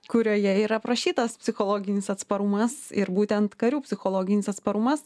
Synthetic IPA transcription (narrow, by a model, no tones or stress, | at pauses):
kʊɾʲoːjɛiːɾɐpɾɐʃʲiːt̪ɐspʲsʲɪxoːlˠoːɡʲɪnʲɪsɐt̪spɐɾʊmɐsɪ̰ɾbuːt̪ʲɛnt̪kɐɾʲuːpʲsʲɪxoːlˠoːɡʲɪnʲɪsɐt̪spɐɾʊmɐs